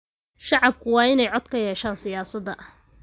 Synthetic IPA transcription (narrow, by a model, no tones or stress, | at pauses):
ʃɑʕɑb̚kʰʊwɑːɪnɛjʕɔd̪̥kʰɐjɛːʃaːnsɪjaːsɐd̪ɐʔ